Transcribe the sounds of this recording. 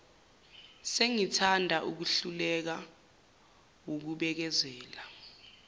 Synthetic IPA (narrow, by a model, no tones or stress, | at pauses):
seŋitʰandʱaʔuk̬uɬulɛk̬a | wok̬uɓɛk̬ɛzɛːla